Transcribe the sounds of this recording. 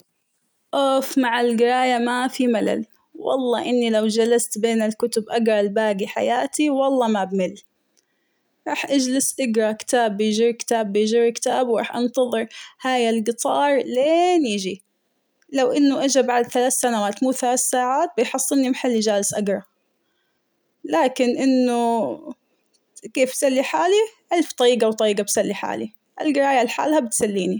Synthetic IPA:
ʔoːfmaʕalɡɪɾˤɑːjamafimala̰l | wʔɑ̰lˤːɑːʔɪnːilawd͡ʒalast̪beːnalkʊt̪ʊbʔaɡɾˤɑlbaːɡiħa̰jaːt̪iwɑlˤːɑːmabmɪlː | ɾˤɑːħʔad͡ʒlɪsʔɪɡɾˤɑkɪ̥t̪aːbːɪjʒɪɾkɪ̥t̪aːbːɪjʒɪɾkɪ̥t̪aːbwɾɑ̰ːħʔɑnt̪ɑðˤɨɾˤhaːjalɡɨt̪ˤɑːɾˤleːnjɪd͡ʒi | lawʔɪnːʊʔad͡ʒabaʕd̪θalaːθsanawaːt̪muːθalaːθsaːʕaːt̪̚bɪjħɑsˤːɨnːimħalːid͡ʒaːlɪsʔaɡɾˤɑ | laːkɪnʔɪnːʊ | keːfsalːiħaːliʕɪlft̪ˤɑɾiːɡawt̪ˤɑɾiːɡabsalːiħa̰ːli | ʔa̰lɡɪɾˤaːjalħa̰ːlhabɪt̪salːiːni

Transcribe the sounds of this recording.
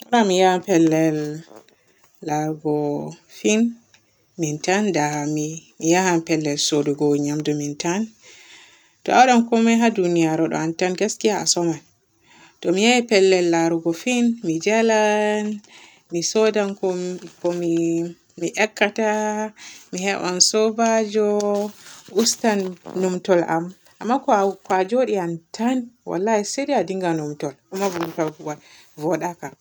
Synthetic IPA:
ʔɔɾamijahapɛlːɛl | aɾɡɔfin | mintandamimijahampɛlːɛlsoduɡɔɲamdɔmintan | tɔ̰ʔawɗankɔmɛɦadunijaɾɔɗɔ̰antanɡeskihaa̰sɔman | tɔmijaipɛlːɛlːaɾuɡɔfinmid͡ʒɛlan | misɔdankɔkɔmi | miʔɛkːata | mihɛɓa̰nsɔbad͡ʒɔ | ustanːumtɔla̰m | ʔa̰mːakɔkwad͡ʒoɗiantʰanwa̰lːahisediadiŋɡanumtɔlkumavumtɔlwa | vɔɗaka

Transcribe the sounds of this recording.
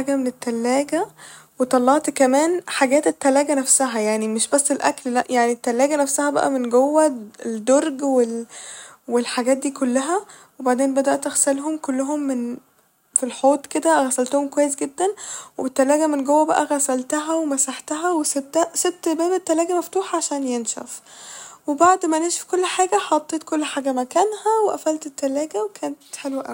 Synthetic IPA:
ħaːɡæmenet̪ːælːæːɡæ | wet̪ˤɑlːɑʕt̪kæmæːnħaɡæːt̪et̪ːælæːɡænæfsæɦæjaʕnimeʃbæsːelʔæ̰kllæʔjaʕnit̪ːælːæːɡænæfsæhæbæ̰ʔæ̰menɡowːæed̪oɾˤɡwel | welħaɡæːt̪̚d̪iːkolːæɦæ | webaʕd̪eːnbæd̪æʔt̪ʔæɣsælɦomkolːoɦomːen | filħoːt̪ˤked̪æɣæsælt̪ohomkowæjːes̬ɡed̪ːænwebet̪ːælæːɡæmenɡowːæbæʔæɣæsælt̪æɦæwemæsaħt̪æɦæweset̪ːæset̪ːbæːbet̪ːælæːɡæmæft̪uːħɑʕaʃæːnjenʃæ̰fwebaʕd̪mæneːʃæ̥fkolːħaːɡæħɑt̪ˤːeːt̪kolːħaːɡæmækæːnhæweʔæ̰fælt̪et̪ːælæːɡæwekʰæːnt̪ħelwæʔæ̰w

